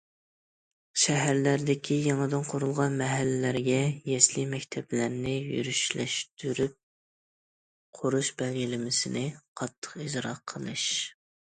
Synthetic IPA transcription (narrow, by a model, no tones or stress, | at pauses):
ʃɛɦæɾlæɾd̪ɪkʲʰijɑŋɨd̪ɨnqʰʊɾulˠʁɑnmɛɦælːɪlæɾɡʲɛjɛslimɛkʲt̪ʰɛblæɾnɪjy̰ɾyʃlɛ̰ʃt̪ʰyɾyp̚ | qʰoɾuʃbɛlɡʲilɪmɪsɪnɪqʰɑt̪ʰːə̥qid͡ʒɾɑqʰəlˠɨʃ